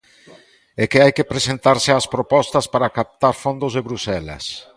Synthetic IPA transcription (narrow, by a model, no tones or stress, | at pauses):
ɛkɪajkepɾesent̪aɾsɪaspɾopɔst̪ɐspaɾakap̚t̪aɾfond̪ʊzðeβɾusɛlɐ̰s